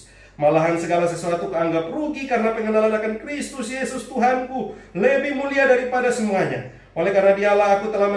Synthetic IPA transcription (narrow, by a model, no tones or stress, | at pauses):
malaɦansəɡalasəsuat̪ukəaŋɡapruɡikarənapəŋənalanakankrist̪ʊsjesʊst̪uɦankuləvimuliadaɾipadasəmuaɲa | ʔolɛkarnadialaɦːkut̪əlahm